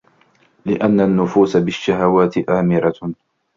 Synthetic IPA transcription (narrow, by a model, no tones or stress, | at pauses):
lɪʔanːanːʊfuːsabɪʃːaɦawaːt̪ɪʔaːmɪɾˤɑ